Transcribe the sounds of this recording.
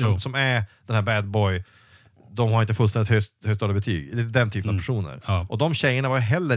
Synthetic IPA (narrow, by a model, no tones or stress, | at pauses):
ɔmsɔmæɾd̪̥ɛnhæɾbæd̪̚bɔj | d̪ɔmhaɾɪnt̪əfɵlst̪ɛnɪt̪høhøːɡst̪ɑːd̪əbɛt̪ʰy̰ːɡlid̪ɛnt̪ʰyːpənɑvpʰæʂuːnə̰ɾʔɔd̪ɔmɕɛjːəɳavaɾjɦɛlːə